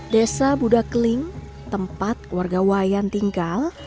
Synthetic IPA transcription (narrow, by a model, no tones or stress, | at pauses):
desabudakəlɪŋ | t̪əmpat̪̚kwarɡawajant̪iŋɡal